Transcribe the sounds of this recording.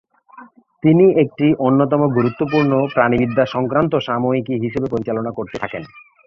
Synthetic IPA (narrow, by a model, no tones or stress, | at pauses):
t̪iniek̚ʈiʔonːot̪̬ɔmoɡuɾut̪ːopuɾnopɾanibid̪ʱːaʃɔŋkɾant̪̬oʃamoikiɦiʃebepoɾit͡ɕalonakoɾt̪et̪ʰaken